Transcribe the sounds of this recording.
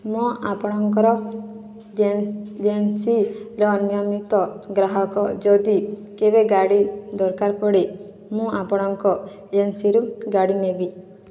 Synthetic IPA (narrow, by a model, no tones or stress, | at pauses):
mɔ̃apɔɽ̃ɔŋkɔɾɔ | d͡ʒensiɾɔnijɔmit̪ɔɡɾaɦɔkɔd͡ʒɔd̪ikebeɡaɽid̪ɔɾkaɾpɔɽi | mũapɔɽ̃ɔŋkɔ | d͡ʒensiɾuɡaɽinebi